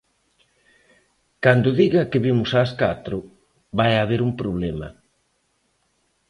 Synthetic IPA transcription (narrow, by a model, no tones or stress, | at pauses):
kand̪ʊðiɣakɪβimʊsaːskat̪ɾʊ | βajaβ̞eɾumpɾoβ̞lemɐ̰